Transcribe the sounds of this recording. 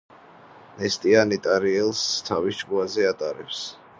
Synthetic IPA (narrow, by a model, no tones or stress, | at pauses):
nɛst̪ʼianit̪ʼaɾiɛlˠst̪ʰavisd͡ʒɡuazɛat̪ʼaɾɛps